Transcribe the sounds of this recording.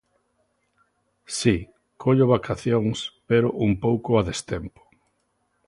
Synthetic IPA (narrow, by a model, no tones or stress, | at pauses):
si | kʰoʎoβakaθjoŋspeɾoʔumpowkʊaðest̪empo̥